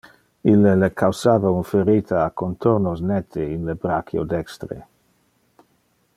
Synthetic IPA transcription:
ilːelekʰawsaːvaunfeɾiːt̪ʰaːkont̪ʰoɾnosnɛt̪ʰeinlebɾakʰjo̰d̪ɛkst̪ɾḛ

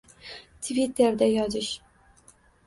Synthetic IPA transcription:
t̪ʰvʲit̪ʰːeɾd̪æjɒzɪʃ

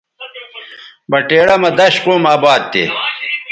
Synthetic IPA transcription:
bɐʈeːɽɐmɐd̪ɐɕquːmaːbaːd̪̚t̪ḛ

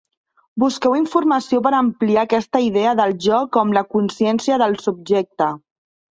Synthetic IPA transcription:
buskɛwiɱfuɾməsiop̬əɾəmpliakɛst̪əiðɛəðəlˠʒɔkɔmləkunsjɛnsiəðəlˠsub̚ʒɛk̚t̪ə

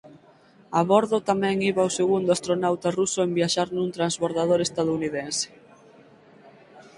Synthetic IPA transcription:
aβɔɾðʊt̪amɛ̃ŋiβawseɣund̪ʊast̪ɾonawt̪arusʊembiaʃaɾnũnt̪ɾanzβoɾðaðoɾest̪að̞ouniðense̥

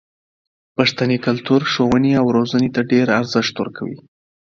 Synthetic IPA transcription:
paʂt̪anikalt̪uɾʂowəneawɾozanet̪aɖeɾaɾzɪʂt̪wə̰ɾkʰawḭ

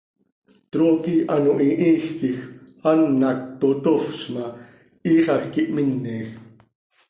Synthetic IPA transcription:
t̪ɾoːkiʔɑnoʔiʔiːxkix | ɑnːɑk̚t̪ot̪ofʃmɑ | iːχɑxkiʔminːiːx

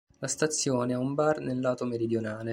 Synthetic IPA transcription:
last̪at̪sːjoːneaumbarnelːaːt̪omeɾid̪jonaːle

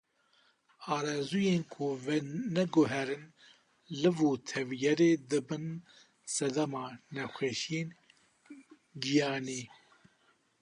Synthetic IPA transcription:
ɑːɾɛzujeːnkʰuvɛnɛɡʊɦɛɾɨn | lɨvuːt̪ʰɛvjɛɾeːd̪ɨbɨn | sɛd̪amɑːnɛxʷɛʃeːn | ɡijɑːniː

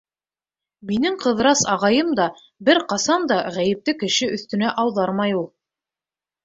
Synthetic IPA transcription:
minɘŋqɤ̆ðɾɑsɑʁɑjɤmd̪ɑ | bɘɾqɑsɑnd̪ɑʁæjɘ̆p̚t̪ɘkɘ̆ʃɘʔɵ̆θt̪ɵ̆næʔɑwðɑɾmɑjulˠ

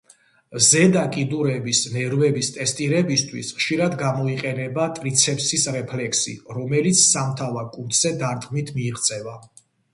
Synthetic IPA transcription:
zɛd̪akʼid̪uɾɛbisnɛɾvɛbist̪ʼɛst̪ʼiɾɛbist̪ʰwisχʃiɾad̪ɡamɔiqʼɛnɛbat̪ʼɾit̪sʰɛpsisɾɛpʰlɛkʰsḭɾɔmɛlit̪sʰsamt̪ʰavaɾkʼut̪ʰz̥ɛd̪aɾd̪qɡmit̪ʰmiːʁt̪sʼɛva

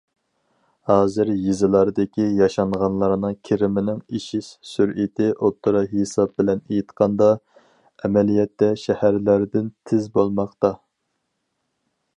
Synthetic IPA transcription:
hɑːzɪɾjizɨlˠɑɾd̪ɪkʲijɑʃɑɴʁɑnlˠɑɾnɨŋkʲʰeɾɪmɪnɪŋiʃiʃsyɾit̪ʰɪʔot̪ʰːɨɾɑɦesɑb̚bɪlɛnejit̪qʰɑnd̪ɑ | ɛmɛlijɛt̪ːɛʃɛhæɾlæɾd̪ɪnt̪ʰɪzbolˠmɑχt̪ɑ

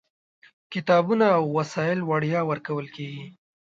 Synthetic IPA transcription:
kɪt̪ɑbunaːwːasɑjɪlwaɽjɑwəɾkawəlkeɡi

